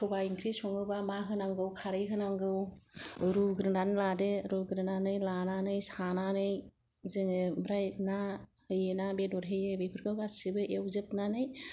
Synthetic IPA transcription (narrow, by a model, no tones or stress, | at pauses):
kʰɔbaiŋkʰɾisɔŋɯbamaɦɯnaŋɡɯwkʰaɾɯjɦɯnaŋɡɯw | ɾuɡɾɯnanladeɾuɡɾɯnanɯjlananɯjsananɯj | zɯŋɯbɾajnahɯjɯnabedɔɾɦejɯbepʰɯɾkʰawɡasibɯʔewzɯpnanɯj